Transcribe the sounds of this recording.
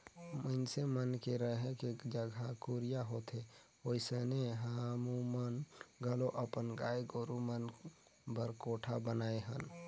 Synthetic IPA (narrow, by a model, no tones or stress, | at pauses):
mənsemənkeɾəɦɛ̃ked͡ʒəɡʱakuɾɪjaɦoːt̪e | oːiseneɦamumənɡəloʔəpənɡaːeɡoɾumən | bəɾkoːʈʰabənaːeɦən